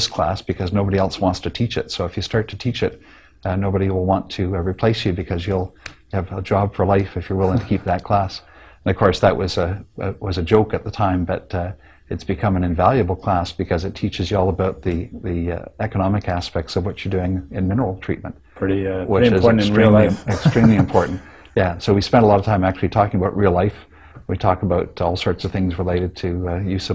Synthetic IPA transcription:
ðskʰl̥æ̰sb̥ɨkʰʌznoʊbəɾiɛlˠswɑ̃ntstʰɨtʰit͡ʃɨ̰tsoʊəfjɨstɑɹtʰɨtʰit͡ʃɨt̚ | noʊbəɾiwəlˠwɑ̃ntʰɨɹipʰl̥eɪsjɨbɨkʰʌzjɨlˠ | ɨvəd͡ʒɑb̥fə˞laɪfɨfjə˞wɪlˠɪ̃ŋtʰɨ̥kʰip̚ðɨt̚kʰl̥æsnʌv̥kʰɔɹsðɨʔ̚wʔʌzɨwʌzɨd͡ʒoʊkɨt̪̚ðətʰãɪ̃mbʌɾ | ɨtsb̥ɨkʰʌ̃mɨ̃nɨ̃ɱvælˠjɨbl̩ˠkʰl̥æsb̥ɨkʰʌzɨtʰit͡ʃɨzjɨɔlˠəbaʊt̪̚ðiðiɛkənɑmɨkæspɛk̚tsʌvwʌt͡ʃə˞dʉɪ̃ŋɨ̃nmɪ̃nə˞l̩ˠtʰɹ̥ḭt̚mə̃nt̚ | pʰɹ̥ɪɾiwɪɨzn̩ɹĩliɨksɹ̥ĩmliɨ̃mpʰɔɹʔn̩t | jæsoʊwispɛ̃ndəlɔɾəv̥tʰãɪ̃mæk̚t͡ʃʉl̩ˠitʰɔkɪ̃ŋəbaʊʔ̚ɹʔilˠlaɪf | witʰɔkəbaʊɾɔlˠsɔɹtsʌv̥θɪ̃ŋzɹəleɪɾɨd̚tʰɨjʉs

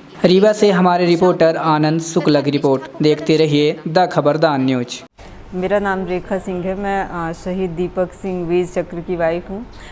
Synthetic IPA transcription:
ɾiːʋaseɦɐmaːɾeɾɪpoːɾʈəɾaːnə̃nd̪sʊkləɡɾɪpoːɾʈd̪eːkʰt̪eɾɐɦied̪ɐkʰɐbəɾd̪aːnːjoːt͡ʃ | meːɾanaːmɾeːkʰasɪ̃ŋɡɦɛmɛ̃ːʃɐɦiːd̪̚ːiːpəksɪ̃ŋɡʋiːd͡ʒt͡ʃɐkɾəkiʋaːikɦũː

